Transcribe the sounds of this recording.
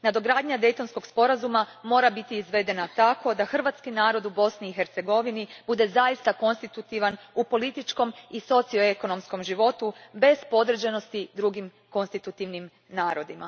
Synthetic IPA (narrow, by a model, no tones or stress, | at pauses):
nad̪o̞ɡɾaːd̪ɲad̪e̞jt̪o̞nsko̞ɡspo̞ɾazumamo̞ːɾabit̪iːzʋe̞d̪e̞nat̪ako̞d̪axr̩ʋat̪skinaːɾo̞d̪ubo̞sniːxe̞ɾt̪se̞ɡo̞ʋinibud̪e̞zaist̪ako̞nst̪it̪ut̪iʋanupo̞lit̪it͡ʃko̞miso̞t̪sio̞eko̞no̞msko̞mʒiʋo̞t̪ube̞z̥po̞d̪ɾ̩d͡ʑeno̞st̪id̪ɾuɡim | ko̞nst̪it̪ut̪iʋnim | naːɾo̞d̪ima̰